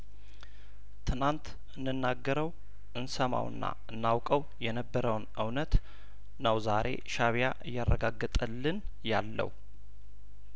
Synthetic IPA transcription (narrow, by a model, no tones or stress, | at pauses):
t̪ʰɨnant̪ | ʔɨnːɨnːaɡːəɾəw | ʔɨnsəma̰wɨ̰nːa̰ | ɨnːawkʼəw | jɛnəbːəɾəwnʔɨwnət̪ | nəwzaɾe̞̰ʃaβjaʔɨjːarːəɡaɡːət̪ʼəlːɨn | jalːə̰h